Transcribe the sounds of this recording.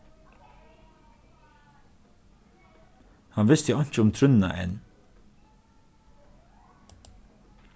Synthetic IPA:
hanʋɪst̪jəɔɲ̥t͡ʃəʊmt̪ʰɾʏnna̰ʔɛ̰n

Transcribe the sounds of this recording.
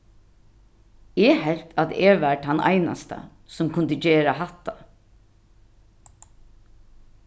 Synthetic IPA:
ɛhɛlt̪at̪ɛʋaɹʈʰanʔa̰jna̰st̪a̰ | sʊmkʰʊnd̪əd͡ʒeːɹahat̪ːa

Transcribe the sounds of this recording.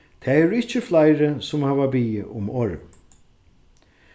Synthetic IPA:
t̪ʰɛːɛɾʊɪht͡ʃːɪflajɾɪsʊmhɛːvabiːɪ̰ʔʊmɔːɾm

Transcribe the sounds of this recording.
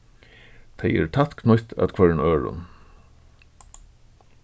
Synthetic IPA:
t̪ʰeɪɛ̰ɾt̪ʰat̪knʊjt̪æ̰t̪kʰvœɹnøːɹʊ̰n

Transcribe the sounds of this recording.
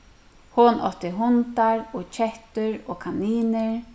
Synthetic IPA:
hʊnʔɔ̰t̪ɪɦʊnt̪aɹɔt͡ʃʰɛht̪ʏɾɔːkʰaniːnɪɹ

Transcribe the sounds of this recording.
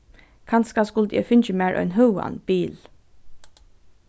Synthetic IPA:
kʰɑnskaskʊld̪ɛ̰ːfɪnt͡ʃəmæːɹʔœ̰ʏnɦʉwa̰nb̥iːl

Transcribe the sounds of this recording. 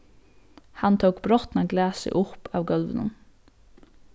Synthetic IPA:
hɑnt̪ʰowkb̥ɾɔt̪naɡlæːsɪ̰ʔʊpaːʋɡɔlʋənə̰n

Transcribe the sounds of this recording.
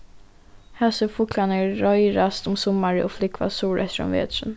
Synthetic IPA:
hɛsəfʊklanəɾɔjɾast̪ɔmsʊmːaɾəʔɔflɪkʰːva̰suːɾʔɛt̪ɾɔ̰mvḛːt̪ʂən

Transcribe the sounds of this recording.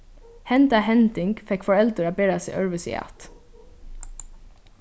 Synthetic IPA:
hɛnt̪aɦɛnt̪ɪŋkfɛkfɔɹɛlt̪əɾaːbeːɹasɪ̰ʔœɹʋəsḭa̰t̪

